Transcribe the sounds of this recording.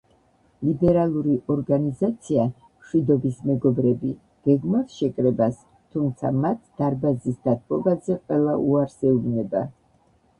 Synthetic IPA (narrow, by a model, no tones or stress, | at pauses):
libɛɾalˠuɾiʔɔɾɡanizat̪sʰia | mʃwid̪ɔbismɛɡɔbɾɛbi | ɡ̥ɛɡmaɾʃɛkʼɾɛbas | t̪ʰumt̪sʰa̰mat̪ʰd̪̥aɾbazisd̪̥at̪̚ʰʼpʼɔbazɛqʼwɛlˠaʔuaɾsɛuvnɛba